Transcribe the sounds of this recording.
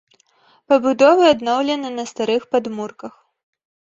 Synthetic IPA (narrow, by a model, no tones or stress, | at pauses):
pɐbud̪ɔvɨad̪nɔwlʲɛnɨnɐst̪aɾɨxpad̪murkɐx